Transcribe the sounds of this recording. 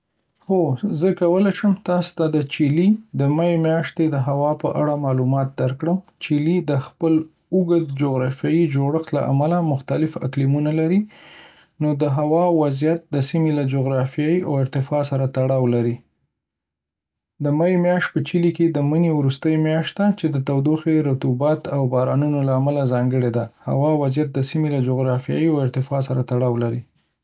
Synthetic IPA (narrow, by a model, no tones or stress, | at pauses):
xozəkawəlajʃəmt̪ɑst̪ad̪ət͡ʃilid̪əmajemjɑʃt̪ed̪əɦawɑpəʔa̰ɽamɑlumɑt̪̚d̪aɾkɽəmt͡ʃilid̪əxpəl | uɡəd̪d͡ʒoɣɾɑfjɑjid͡ʒoɽəxt̪la̰ʔa̰malamʊxt̪alɪfa̰klimunalaɾi | nod̪əɦawɑwazjat̪̚d̪əsimelad͡ʒoɣɾɑfjɑiawɪɾt̪ɪfɑsaɾat̪aɽɑwlaɾi | d̪əmajmjɑʃ̚pət͡ʃiliked̪əmənewɾust̪əjmjɑʃt̪d̪at͡ʃed̪ət̪awd̪oxeɾat̪ubɑt̪awbɑɾɑnunolaːmalazɑŋɡəɽed̪aha̰wɑwazjat̪̚d̪əsimelad͡ʒoɣɾɑfjɑ̰iawɪɾt̪ɪfɑs̬aɾat̪aɽɑwlaɾi